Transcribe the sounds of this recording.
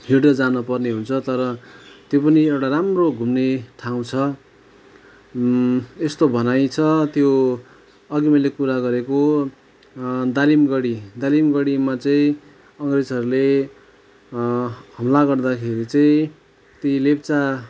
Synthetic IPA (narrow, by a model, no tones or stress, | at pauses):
ɦiɖʌd͡zanʌpʌrneɦunt͡sʰʌt̪ʌɾʌt̪jopʌniewʈaɾamroɡʱumneʈʰaw̃t͡sʰʌ | est̪obʱʌnajt͡sʰʌt̪jo | ʌɡimʌlekuɾaɡʌɾeko | d̪alimɡʌɽid̪alimɡʌɽimat͡sʌĩ | ʌŋɡred͡zʌɾule | ɦʌmlaɡʌrd̪akʰeɾit͡sʌĩ | t̪ilept͡sa